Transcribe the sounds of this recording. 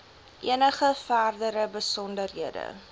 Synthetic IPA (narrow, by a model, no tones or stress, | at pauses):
ʔiənəχəfæːrdəɾəbəsɔndərɦiədə̰